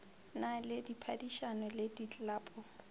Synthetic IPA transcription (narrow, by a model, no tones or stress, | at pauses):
nalɪdipʰadiʃanɔledit͡ɬʼlaːpʼɔ